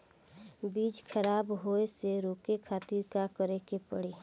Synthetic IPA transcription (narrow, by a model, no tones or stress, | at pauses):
biːd͡ʒkʰəɾaːbɦoeseɾoːkekʰaːt̪iɾkakəɾekepə̰ɽe